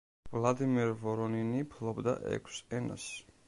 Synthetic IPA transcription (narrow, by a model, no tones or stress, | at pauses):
vlˠad̪imɛɾvɔɾɔninipʰlˠɔbd̪a̰ʔɛ̰kʷʰsɛna̰s